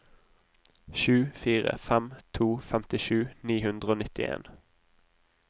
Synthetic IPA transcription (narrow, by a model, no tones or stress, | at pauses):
ʃʉːfiːʁə̰fɛmt̪ʰuːfɛmt̪ɪʃʉːniːhʉnd̪ʁəoːnɪt̪ɪʔḛːn